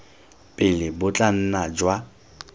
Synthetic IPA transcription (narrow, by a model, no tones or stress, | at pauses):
pʼɪlɪbʊt͡ɬʼan̩nad͡ʒwa